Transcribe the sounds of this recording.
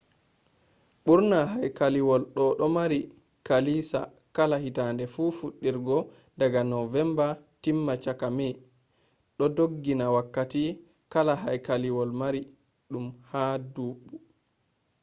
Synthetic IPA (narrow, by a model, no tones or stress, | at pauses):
ɓuɾnaɦajkaliwɔlɗɔɗɔmaɾi | kalisa̰ | kalahitandɛfufuɗːiɾɡɔ | daɡanɔvɛmbatimːat͡ʃakamɛ | ɗɔdoɡːinawakːati | kalaɦajkaliwɔlmaɾi | ɗumhaduːɓːu